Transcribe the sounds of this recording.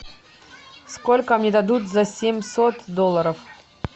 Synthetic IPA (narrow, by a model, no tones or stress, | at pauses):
skolʲkəmnʲed̪ɐd̪ut̪zɐsʲemʲsot̪d̪olˠːəɾəf